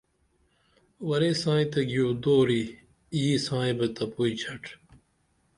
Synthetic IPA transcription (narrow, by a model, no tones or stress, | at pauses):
wɐɾesãːĩt̪ɐɡijoːd̪oːɾi | iːsãːĩbɐt̪ɐpuit͡ɕʰɐʈʰ